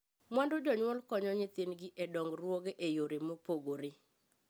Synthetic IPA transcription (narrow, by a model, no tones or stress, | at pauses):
mandod͡ʒɔɲwɔlkɔɲɔɲɪt̪ɪnɡɪʔɛdɔŋɡrwoɡeʔejoɾemopoɡoɾe